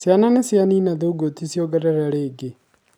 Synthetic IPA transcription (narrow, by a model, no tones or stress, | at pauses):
sjananesjaninaðouɡotisjoɡɛɾɛɾaɾeːɡe